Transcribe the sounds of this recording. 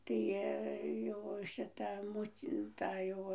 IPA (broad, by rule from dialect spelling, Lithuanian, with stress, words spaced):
ˈtɐɪ jɛʊ ʃʲɪˈtɐ ˈmʊtʲ ˈtɐ jɛʊ